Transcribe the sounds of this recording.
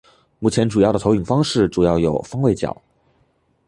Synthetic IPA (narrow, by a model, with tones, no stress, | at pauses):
mu˥˩t͡ɕʰjɛ˧˥nʈ͡ʂu˨˩jɑ˥˩ʊə˩t̪ʰy˨˩ŋfɑ˥ŋʂɻ̩˥˩ʈ͡ʂu˨˩jɑ˥˩ʊjo˨˩ʊfɑ˥ŋwe˥˩ɪt͡ɕjɑ̰˨˩˦ʊ